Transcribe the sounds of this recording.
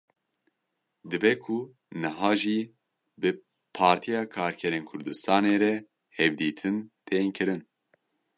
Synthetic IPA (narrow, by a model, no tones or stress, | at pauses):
d̪ɨbɛkʰu | nɨɦɑːʒiː | bɨ | pʰɑːɾt̪ʰijɑːkʰɑːɾkʰɛɾeːnkʰʊɾd̪ɨst̪ɑːneːɾɛ | hɛvd̪iːt̪ʰɨnt̪ʰeːŋkʰɨɾɨn